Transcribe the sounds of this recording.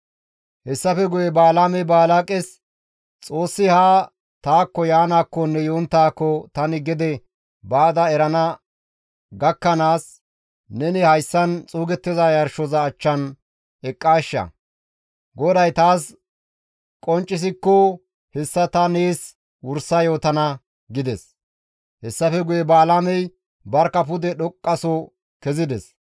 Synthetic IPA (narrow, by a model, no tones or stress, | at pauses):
hɛsːɐfɛɡʊjɛbaːlamɛbaːlakʼɛs | t͡sʼo̞ːsːɪhaː | t̪aːkːɔjaːnaːkːɔnːɛjoːnt̪ːaːkːɔt̪ɐnɪɡɪd̪ɛ | baːd̪ɐɛɾɐnɐ | ɡɐkːɐnaːs | nɛnɪhɐjsːɐnt͡sʼuːɡɛt̪ːɪzajɐɾʃɔzɐːt͡ʃːɐn | ɛkʼːaːʃːɐ̰ | ɡɔd̪ɐjt̪aːs | kʼɔnt͡ʃʼːɪs̬ɪkːɔ | hɛsːɐt̪ɐneːs | wʊɾsɐjo̞ːt̪ɐnɐ | ɡɪd̪ɛs | hɛsːɐfɛɡʊjɛbaːlamɛj | bɐɾkːɐp̬ʊd̪ɛɗɔkʼːɐsɔ | kɛzɪd̪ɛs